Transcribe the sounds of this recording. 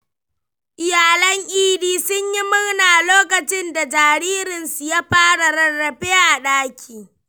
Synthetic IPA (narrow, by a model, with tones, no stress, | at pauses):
ʔɪ˨jaː˨lɐ˦ŋʔiː˦diː˦sʊ˦ɲji˦mʊ˦rnaː˨loː˦kɐ˨t͡ʃɪ˦nda˨d͡ʒaː˨ɾiː˦ɾɪ˨nsu˨jaː˦ɸaː˦ɽa˨ɾɐ˨rːɐ˨ɸeː˦ʔa˨ɗaː˦kʲʰiː˨